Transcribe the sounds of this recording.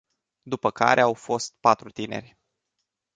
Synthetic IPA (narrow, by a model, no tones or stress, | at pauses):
d̪upəka̰ɾʔe̞awfo̞st̪̚pat̪ɾut̪ine̞̰rʲ